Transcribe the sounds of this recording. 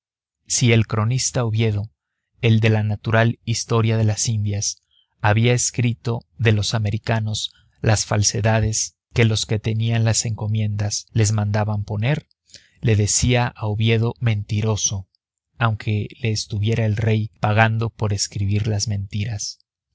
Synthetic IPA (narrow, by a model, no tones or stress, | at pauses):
sie̞lkɾo̞nist̪auβje̞ðo̞ | e̞ld̪e̞lanat̪uɾalist̪o̞ɾjaðe̞lasind̪jas | aβiae̞skɾit̪o̞ðe̞lo̞same̞ɾikano̞s | lasfalse̞ðaðe̞s | ke̞lo̞ske̞t̪e̞nianlase̞ŋko̞mjẽ̞nd̪asle̞zmãnd̪aβampo̞ne̞ɾ | le̞ðe̞siaʔauβje̞ðo̞mẽ̞nt̪iɾo̞so̞ | awŋkʰe̞le̞ːst̪uβje̞ɾaelre̞jpaɣand̪o̞po̞ɾe̞skɾiβiɾlazmẽ̞nt̪iɾas